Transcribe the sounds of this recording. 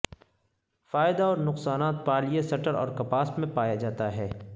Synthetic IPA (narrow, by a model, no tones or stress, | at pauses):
faːɪd̪aɔːɾnʊqsaːnaːt̪̚paːlijesɐʈəɾɔ̰ːɾkɐpaːsmẽpaːjad͡ʒaːt̪aɦɛː